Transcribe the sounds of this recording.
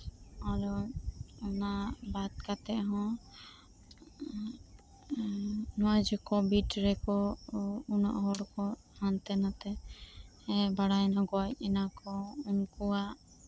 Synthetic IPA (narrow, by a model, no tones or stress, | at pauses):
alɔ | ɔnabat̪̚kat̪ɛʔɦɔ̃ | nɔad͡ʒɛkɔbiʈɾɛkɔ | unɔ̰ʔɦɔɽkɔ | ant̪ɛnat̪ɛ | ɛbaɽanaɡɔjc̚ɛnakɔunkuwaʔ